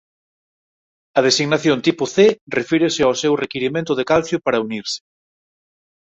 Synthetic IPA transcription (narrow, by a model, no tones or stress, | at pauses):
ɐð̞esiɣnaθjont̪ipʊθerefiɾesɪawsewrekiɾimẽnt̪ʊðekalθjopaɾɐuniɾsɪ̥